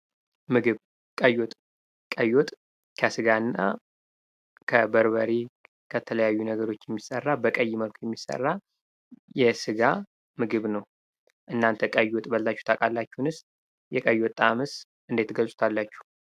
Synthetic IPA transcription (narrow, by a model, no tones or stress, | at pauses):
mɨɡɨβ | kʼəjot̪ʼ | kʼəjot̪ʼ | kʰasɨɡanːa̰ | kʰəbəɾβəɾi | kʰət̪ʰələjajːunəɡəɾo̞t͡ʃːjɛmːisərːabəkʼəjːməlkʰʷjɛmːisə̰rːa | jɛsɨɡa | mɨɡɨβnəw | ʔɨnːant̪ʰəkʼəjot̪ʼbəlt̪at͡ʃːu̥t̪ʰakʼalːat͡ʃːɛhnɨs | jɛkʼəjːot̪ʼːamɨs | ʔɨnd̪e̞t̪ɡəlsʼu̥t̪ʰalːat͡ʃːu̥h